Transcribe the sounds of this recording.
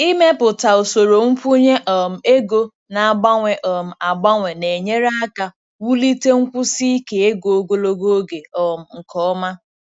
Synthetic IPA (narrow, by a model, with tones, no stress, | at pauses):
i˦me˦pʊ˨ta˨o˨so˨ɾo˨ŋ̩˦kʷu˦ɲe˦ʔɔ˨m̩˨e˦ɡo˦ | na˨a˨ɡ͡ba˦ŋʷe˨ʔɔ˨m̩˨a˨ɡ͡ba˦ŋʷe˨ne˨ɲe˦ɾa˦a˦ka˨ | wu˦li˦te˦ŋ̩˦kʷʊ˦si˦ke˨e˦ɡo˨o˦ɡo˦lo˦ɡo˦o˦ɡe˨ɔ˨m̩˨ŋ̩˨kɔ˦ma˦